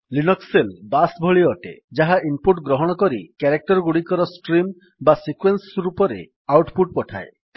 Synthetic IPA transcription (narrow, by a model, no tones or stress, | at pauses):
linɔkselbasbʱɔɭiɔʈḛd͡ʒaɦaʔimpuʈɡɾɔɦɔɽ̃ɔkɔɾikɛɾek̚ʈɔɾɡuɽikɔɾɔsʈɾim | basikwensɾupɔɾḛ | awʈpuʈ̚pɔʈʰa̰e